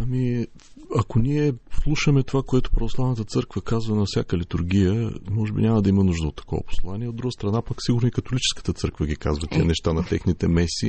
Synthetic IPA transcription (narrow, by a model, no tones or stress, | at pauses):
ɐmi | ɐkonʲiɛslˠuʃəmɛt̪ovakoɛt̪ʊ̥pɾɐvoslˠavnət̪ət̪sɤɾkvəkazvənɐfsʲjakəlit̪ʊɾɡ̟ijəmɔʒɛbinʲamɐd̪ɐimɐnuʒd̪əot̪ːɐ̥kɔ̰vɐ̰po̥slˠaniɛod̪ɾuɡəst̪ɾɐnapaksiɡʊɾniikɐt̪olit͡ʃɛ̥skə̥t̪ət̪sɤɾkvəɡʲika̰zvɐt̪ʲiə̰nɛʃt̪anɐt̪ɛxnit̪ɛmɛsi